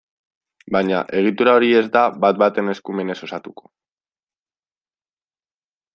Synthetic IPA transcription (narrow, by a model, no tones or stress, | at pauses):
baɲa̰ʔe̞ɣ̞it̪uɾao̞ɾie̞zd̪abat̪̚bat̪e̞ne̞skume̞ne̞so̞sat̪uko̞̥